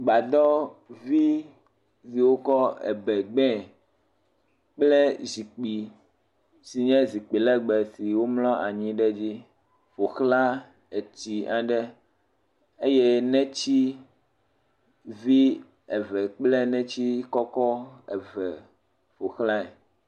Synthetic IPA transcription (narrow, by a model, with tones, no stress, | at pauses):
ɡ͡ba˨d̪ɔ˦vi˦ | si˨wo˦kɔ˦ɛ̰˨bɛ˨ɡ͡bɛ̃˦ | k͡plɛ˦zi˨k͡pi˨ | si˨ɲɛ̃˦zi˨k͡pi˨lɛ˦ɡ͡bɛ˨si˨wo˦mlɔ̃˦ʔa˨ɲĩ˦ɖɛ˦d͡ʑi˦ | fo˨xla˦ | e˨t͡ɕi˨a˨ɖɛ˦ | e˦je˦nɛ̃˦t͡ɕi˦ | vi˦ | ɛ˨vɛ˨k͡plɛ˦nɛ̃˦t͡ɕi˦kɔ˦kɔ˦ɛ̰˨vɛ˨ | fo˨xla˦ɛ˨